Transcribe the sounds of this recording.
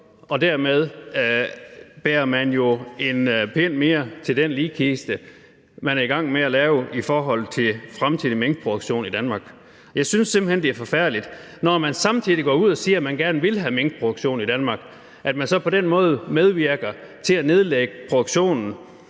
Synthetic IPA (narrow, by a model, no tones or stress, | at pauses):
ɒ̽d̥æɐmeð̞ˠ | b̥eːɐmænjo̝e̝npʰen̰me̝ːɐt͡sʰe̝ld̥enliːkʰisd̥ə | mænæɐiɡ̥ɑ̈ŋ̰meælɛːʊifɒːɦɒ̽l̰t͡sʰe̝lfʁamt͡sʰið̰ˠimeŋɡ̥̚pʰʁo̝d̥oɡ̥ɕo̝̰ːnid̥ænmɑ̈ːɡ̥ | jɑ̈ɪsynsːemb̥l̩hend̥e̝æɐfɒ̽fæɐ̰dlid̥ | nɒmænsɑ̈mt͡sʰið̰ˠiɡ̥ɒ̰ːuð̞̰ˠɒsiːɐæmænɡ̥æɐnʋe̝lɦæmeŋɡ̥əpʰʁo̝d̥ɡ̥ɕo̝̰ːnid̥ænmɑ̈ɡ̥ | ʔæd̥mænsɒ̽pʰɒ̽denmɔ̽ːð̞̩ˠmeð̞ˠʋiɐɡ̥ɐ | t͡sʰe̝læne̝ðˠleɡ̥əpʰʁo̝d̥oɡ̥ɕo̝̰ːnn̩